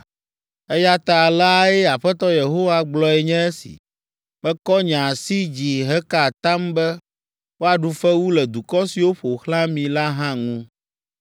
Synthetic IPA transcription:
ɛ˦ja˦t̪a˨la˦ɛ˦a˨ɸɛ˦t̪ɔ˦je˨ɦo˦wa˦ɡ͡blɔ˦ɛ˨ɲɛ̃˦ɛ˦sḭ˨ | bɛ̃˦kɔ˦ɲã˨si˦d͡ʑi˨ɦɛ˦ka˨t̪a˦mbɛ˦ | wo˦a˨ɖu˨fɛ˦wu˦lɛ˨d̪u˨kɔ˦si˨wo˦ɸo˨xlã˦mĩ˨la˦ɦã˦ŋũ˦

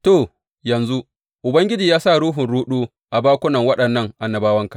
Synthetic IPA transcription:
toː˦˨ | jɐ˨nzu˦ | ʔʊ˨bɐ˦ŋɡʲɪ˦d͡ʒiː˨jaː˦sa˦˨ɽuː˦ɦʊ˨nɽuː˦ɗuː˦ | ʔa˨baː˦kʷʊ˦nɐ˨ŋwɐ˦ɗɐ˨nːɐ˦ŋʔa˨nːɐ˨baː˦wɐ˦ŋka˨

